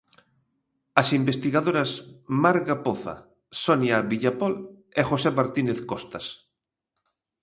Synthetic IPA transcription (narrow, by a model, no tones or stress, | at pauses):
asimbest̪iɣaðoɾasmaɾɣapoθa̰ | sɔnjaβiʎapɔl | eχosemaɾt̪ineθkɔst̪as